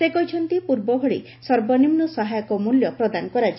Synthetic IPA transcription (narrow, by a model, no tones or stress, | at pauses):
sekɔjt͡ʃʰɔnt̪ipuɾbɔbʱɔɭḭ | sɔɾbɔnimnɔsɔɦajɔkɔmuljɔpɾɔd̪anɔkɔɾad͡ʒ